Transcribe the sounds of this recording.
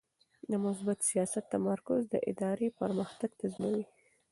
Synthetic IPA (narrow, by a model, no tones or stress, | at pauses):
d̪əmʊsbat̪sijɑsat̪ːamaɾkʊzd̪ə̰ʔɪ̰d̪ɑɾepəɾməxt̪aɡ̚t̪aznawi